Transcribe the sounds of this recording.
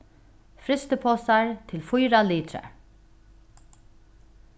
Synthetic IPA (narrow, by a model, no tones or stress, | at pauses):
fɾɪst̪əpʰosɑɹt̪ʰɪlfʊjɾaliːt̪ʰɾə̰